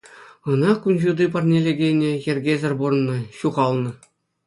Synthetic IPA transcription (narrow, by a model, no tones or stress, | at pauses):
ɤ̆nɑkunʲʑud̪ip̬ɑrnʲelʲeɡʲenʲejĕrʲɡʲezʲɘ̆rʲbur̆nːɤ̆ɕuʁɑlˠnɤ̆